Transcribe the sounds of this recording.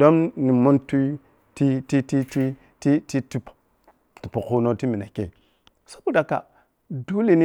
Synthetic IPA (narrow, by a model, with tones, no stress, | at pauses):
do˦mni˨mu˦ntu˦ | ti˦ti˦ti˦ti˦ | ti˦ti˦ti˦p | tu˨pu˨ku˦no˦ti˦mi˨na̰˨kḛ˨ | so̥˦bu˨da˨ka̰˨ | du˦li˨ni˦